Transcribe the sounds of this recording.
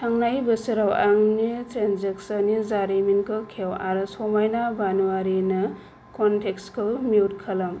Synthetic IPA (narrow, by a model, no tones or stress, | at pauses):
tʰaŋnajbɐsɯɾawaŋnitɾenzeksɐnizaɾiminkɯkʰewa̰ɾɐsomajnabanuaɾinɐ | kontʰekskʰɯwmiwtkʰɐlɐm